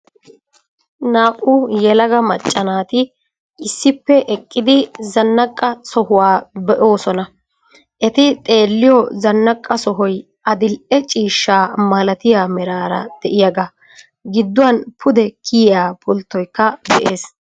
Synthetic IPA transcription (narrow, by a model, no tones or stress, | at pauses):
naːʔʊjɛlɐɡɐmɐt͡ʃʼːɐnaːt̪ɪ | ʔɪsːɪpːɛʔɛkʼːɪd̪ɪzɐnːɐkʼːɐsɔhʊwaːbɛʔo̞ːsɔnɐ | ʔɛt̪ɪt̪ʼe̞ːlːɪjɔzɐnːɐkʼːɐsɔɦɔj | ʔɐd̪ɪlʔɛt͡ʃʼiːʃːaːmɐlɐt̪ɪjaːmɛɾaːɾɐ̰d̪̥ɛʔɪjɐɡɐ | ɡɪd̪ːʊwɐnpʊd̪ɛkʰɪjjaːpʊlt̪ːɔjkːɐb̪ɛʔeːs